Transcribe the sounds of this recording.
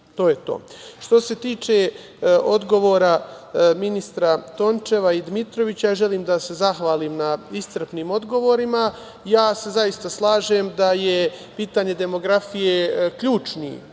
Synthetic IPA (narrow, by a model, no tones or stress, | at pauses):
t̪o̞ːje̞t̪o̰ːʃt̪o̞se̞t̪iːt͡ʃe̞ | o̞d̪ɡo̞ʋo̞ːɾaminist̪ɾat̪o̞nt͡ʃe̞ʋaid̪mit̪ɾo̞ʋit͡ɕajaːʒe̞liːmd̪ase̞zaxʋaːliːmnaist̪ər̩pniːmo̞d̪ɡo̞ʋo̞ɾima | jaːse̞zaist̪aslˠaːʒemd̪aje̞piːt̪aːɲe̞d̪e̞mo̞ɡɾafijekʎuːt͡ʃnḭ